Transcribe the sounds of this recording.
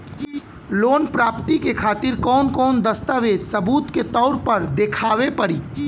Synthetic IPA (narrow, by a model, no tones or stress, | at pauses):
loːnpɾaːpt̪ikekʰaːt̪ɪɾkɔːnkɔːnd̪əst̪aːʋeːd͡ʒ̪sɐbuːt̪ket̪ɔːʊɾpɐɾd̪ekʰaːʋepɐɽiː